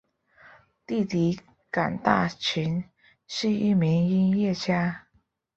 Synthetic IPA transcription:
t̪i˥˩t̪i˧˥ | ka˨˩nt̪a̰˥˩t͡ɕʰi˧˥n̩˥˧ | i˥˩mi˧˥ŋi˥ŋjɛ˥˩t͡ɕja˥

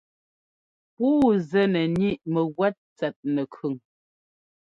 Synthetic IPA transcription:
puː˦zɛ˦˨nɛ˨ni˦ʔmə˨ɣwɛ˦t̚t͡sɛ˨t̚nɛ˨kʰʉ˨ŋ

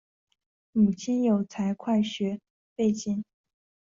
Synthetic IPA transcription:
mu˨˩t͡ɕʰi˥njo˨˩ʊt͡sʰa˧˥ɪkʰwa˥˩ɪɕɥɛ˧˥ | pe˥˧ɪt͡ɕi˥˩n

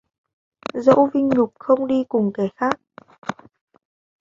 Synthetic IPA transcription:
zə̰˧˥wvï˧ŋ̟ɲʊ˨˩k͡p̚xə˧wŋ͡mɗi˧kʊ˨˩ŋ͡mkɛ˨˩˦xaː˦˥k̚

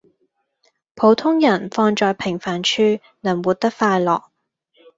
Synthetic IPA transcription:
pʰo˨˥wt̪ʰʊ˥ŋjɐ˨˩nfɔː˧ŋt͡ʃɔː˨˧jpʰɪ˨˩ŋfaː˨˩nt͡ʃʰyː˥ | nɐː˨˩wuː˨˧t̚t̪ɐ˥k̚faː˧jlɔː˨k̚

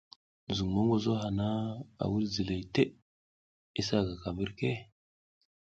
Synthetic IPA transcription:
zu˨ŋmo˦ŋɡo˦zo˦ɦa˨na˦a̰˨wu˦lzi˨le˨i˨te˦ | i˦sa˦˨ɡa˨ka˨mə˦ɾke˦

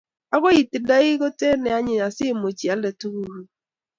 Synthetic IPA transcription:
a˦ɣo˦i˨ti˨da˦i˦ɣo˦te˦nɛ˨a˦ɲɪ˨a˨si˦˨mo˨t͡ʃi˨a˦lɛ˨tu˦ɣu˨ɾu˨

